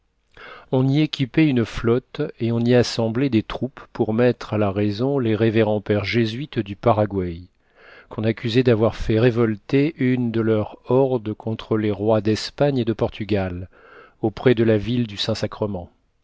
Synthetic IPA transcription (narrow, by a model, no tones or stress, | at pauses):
ɔ̃niekʲipɛynflɔt̪eɔ̃niasɑ̃blɛd̪et̪χupːuʁmɛt̪χalaʁɛzɔ̃leʁeveʁɑ̃pɛʁʒezɥit̪d̪ypaʁaɡwaj | kɔ̃nakʲyzed̪avwaʁfɛʁevɔlt̪eʔynd̪əlœʁɔʁd̪əkʰɔ̃t̪χəleʁwad̪ɛspaɲed̪əpɔʁt̪ʰyɡʲal | opχɛd̪əlavild̪ysɛ̃sakχəmɑ̃